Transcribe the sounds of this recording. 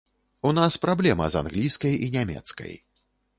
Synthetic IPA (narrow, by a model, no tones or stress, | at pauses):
unaspɾablʲɛmɐ̰za̰nɣlʲijskɐjinʲamʲɛ̰t̪skɐ̰j